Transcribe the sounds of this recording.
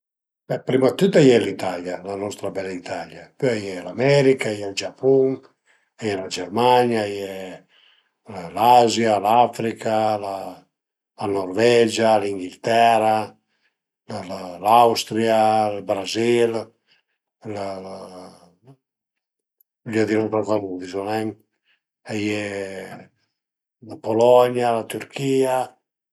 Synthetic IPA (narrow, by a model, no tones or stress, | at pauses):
bɛpɾimat̪ːut̪ajɛlit̪aljalanɔst̪ɾabɛlait̪aljapøajɛlamɛɾikajɛld͡ʒapuŋ | ajɛlad͡ʒɛrmaɲjajɛ | lazjalafɾikala | lanɔrvɛd͡ʒaliŋɡilt̪ɛɾa | lalawst̪ɾialbɾazil | l | d͡ʒad̪inɔt̪akaluðizɔnɛŋ | ajɛ | lapolɔɲalat̪yɾkʰiːa